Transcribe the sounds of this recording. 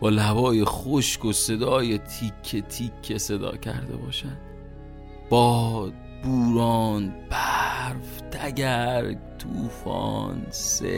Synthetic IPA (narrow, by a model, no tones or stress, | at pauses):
bɒːlæbɒːje̞xoʃkose̞d̪ɒːjet̪ʰikʰːet̪ʰikʰːese̞d̪ɒ̰ːcʰæ̰ɾd̪e̞̰bɒːʃæn | b̥ɒːd̪̚ | buːɾɒːnb̥æɾvt̪ʰæɟæɾt̪ʰuːfɒ̰ːnsḛ